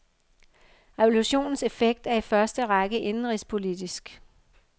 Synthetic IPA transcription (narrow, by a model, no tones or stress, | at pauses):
ʁeʋo̝luɕo̝̰ːnn̩se̝feɡ̥̚d̥æɐifɶɐsd̥əʁɑ̈ɡ̥əʔe̝nn̩ʁispʰo̝lid̥isɡ̥